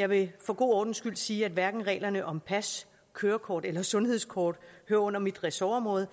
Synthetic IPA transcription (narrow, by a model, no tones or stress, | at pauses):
jɑ̈ɪʋe̝fɒ̽ɡ̥o̝̰ːɒːd̥n̩sɡ̥yl̰̥siːæd̥ʋæɐɡ̥n̩ʁɛ̰ːlɐnəʔɒ̽mpʰæs | kʰøːɐkʰɒːd̥elɐsɔ̽nhe̝ð̞̰ˠskʰɒːd̥høːɐɔ̽n̰ɐmid̥ʁɛsoɒmʁɔ̽ːð̞̩ˠ